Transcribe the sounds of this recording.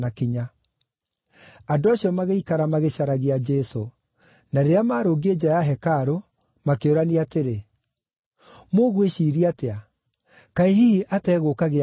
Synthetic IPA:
nakiɲa | adoaɕjɔmaɣeikaɾamaɣeɕaɾaɣead͡ʒɛso | naɾeɾeamaːɾoːɡed͡ʑajaɦɛkaɾo | makeoɾaniateɾe | moɣweʃiːɾiatea | kaiɦiʔatɛːɣokaɣe

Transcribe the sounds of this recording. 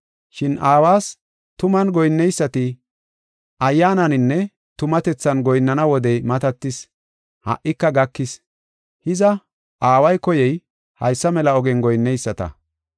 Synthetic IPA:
ʃɪnʔaːwaːs | t̪ʊmɐnɡɔjnːɛjsːɐt̪ɪ | ʔɐjːaːnɐnɪnːɛ | t̪ʊmɐt̪ɛt͡sːɐnɡɔjnːɐnɐwɔd̪ɛjmɐt̪ɐt̪ːɪs | hɐ̰ʔːɪkːɐɡɐkːɪs | hɪzɐ | ʔaːwɐjkɔjɛj | hɐ̰jsːɐmɛlɐɔɡɛnɡɔjnːɛjsːɐt̪ɐ̰

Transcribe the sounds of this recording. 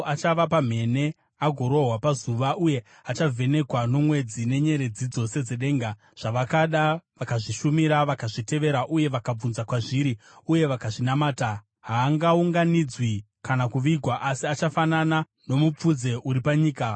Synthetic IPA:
at͡ʃaʋapam̤e̞ne̞ | aɡʱo̞ɾo̞ɦwapazuʋaʔuje̞ | at͡ʃavʱe̞ne̞kwano̞mwe̞d͡zine̞ɲe̞ɾe̞d͡zid͡zo̞se̞d͡ze̞ɗe̞ːŋɡa | ʐ̥aʋakaɗaʋakaʐiʃumiɾaʋakaʐite̞ʋe̞ɾaʔuje̞ʋakab͡vunzakwaʐiɾiuje̞ʋakaʐinamaːta | ɦaːŋɡauŋɡanid͡zwi | kanakuʋiɡʱwaʔasiat͡ʃafanana | no̞mup͡fud͡ze̞ʔuɾipaɲiːka

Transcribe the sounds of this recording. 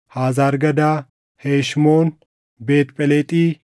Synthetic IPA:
haːzaːɾɡɐd̪aː | heːʃmoːn | be̞ːt̪pʼɛlɛt̪ʼiː

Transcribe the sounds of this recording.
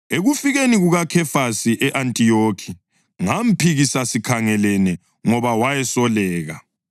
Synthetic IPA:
eɣufiɣeniɣuɣakʰɛfasiʔɛʔantʼijokʰi | ŋam̩pʰiɣisasikʰaŋɛlɛnɛ | ŋɔβawajɛsɔlɛːɣa̰

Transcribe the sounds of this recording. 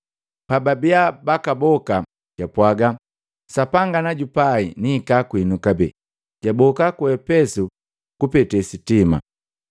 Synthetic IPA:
pababiabakabɔka | ɟ̥apwaɡa | sapaŋɡanaɟupainiːkakwinukabɛ̰ | ɟ̥abɔkakuɛpɛsu | kupɛtɛsitima̰

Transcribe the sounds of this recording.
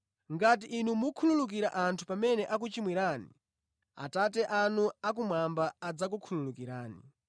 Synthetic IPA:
ŋɡat̬iʔːnumukʰululuk̬iɾaʔantʰupamɛnɛʔak̬ut͡ʃimwiɾaːnḭ | a̰tatɛʔanuak̬umwambaːd͡zak̬ukʰululukiɾaːnḭ

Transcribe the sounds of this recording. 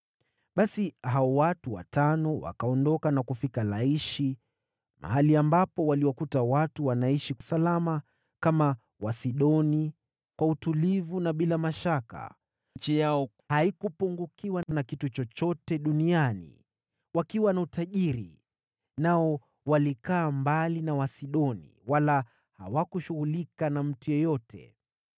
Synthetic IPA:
ɓasiɦaɔwatuwa̰tanɔwa̰kaɔndɔkanakufikalaiʃi | mʔa̰ɦaliambapɔwaliwakutawatuwanaiʃiusalama | kama | wasiɗɔni | kwautulivunaɓilamaʃaka̰ | t͡ʃijaɔ | haikupuŋɡukiwanakitut͡ʃɔt͡ʃɔtɛɗunianḭ | wakiwanautaʄiɾḭ | naɔ | walikaːmbalinawasiɗɔnḭwala | ha̰wakuʃuɣulikanam̩tujɔjɔtʰɛ̰

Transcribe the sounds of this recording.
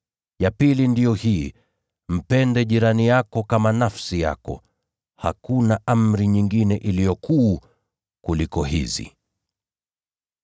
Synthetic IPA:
japilindijɔhiː | m̩pɛndɛʄiɾanijakɔkamanafsija̰kɔ̰ | ha̰kunaʔam̩ɾiɲiŋɡinɛʔilijɔku | kulikɔɦḭzḭ

